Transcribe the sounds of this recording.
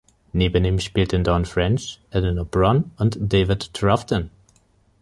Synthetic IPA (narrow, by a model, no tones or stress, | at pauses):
nibənĩmʃpiltɨ̃ndɔ̃nfɹɛ̃nt͡ʃənənɔbɹɔ̃nə̃ndeɪvɪdtʰɹaftə̃n